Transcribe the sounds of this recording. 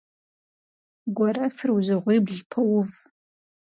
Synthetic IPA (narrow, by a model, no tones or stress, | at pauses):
ɡʷɔɾɐfɨrwzɨʁʷiːbɮpʰɐwʊv